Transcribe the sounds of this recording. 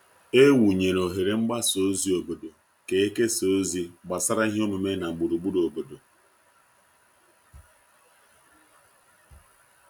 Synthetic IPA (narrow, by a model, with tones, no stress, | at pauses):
e˦wu˨ɲe˨ɾo˨ɦe˨ɾe˨ŋ͡m̩˦ɡ͡ba˦so˦zi˨˦o˨bo˨do˨ | ke˨e˦ke˦so˦zi˦ɡ͡ba˨sa˦ɾa˦i˦ɦe˦o˦mu˨me˦na˨ŋ͡m̩˨ɡ͡bu˨ɾu˨ɡ͡bu˦ɾo˨bo˨do˨